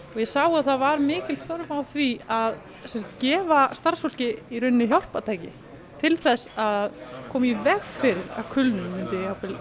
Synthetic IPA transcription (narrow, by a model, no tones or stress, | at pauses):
ɔɣjɛsaːwʏaðθaðvaɾmɪːcɪl̥θɔɾʏmawθviað | sɛnsat̪cɛːvast̪ar̥sfɔl̥cɪiɾʏnːɪçjawr̥pat̪ʰaːjcɪ̰ | t̪ʰɪlθɛsaððkʰɔːmivɛɣfɪɾɪɾa̰wkʰʏlnʏmmɪnt̪ɪawpɪl